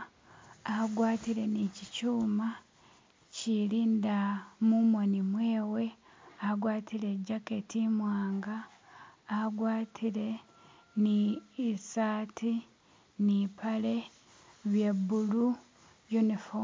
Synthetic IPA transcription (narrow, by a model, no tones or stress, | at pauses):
aɡwaːtiɾe̞nicicuːma | ciliːndamumonimwe̞ːwe̞ | aɡwaːtile̞ɟake̞timwaːŋɡaː | ɡwaːtʰile̞ | niːsaːti | nipʰale̞ | βjebːulu | junifo